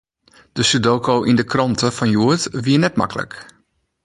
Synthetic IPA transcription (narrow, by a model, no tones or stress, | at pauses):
d̥əsydoːkoʔindəkrɔntəfɔnjuətʋiənɛtma̰kələ̰k